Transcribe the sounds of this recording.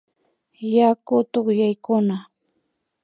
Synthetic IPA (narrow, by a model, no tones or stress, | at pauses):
jakʊt̪oχjajkʊna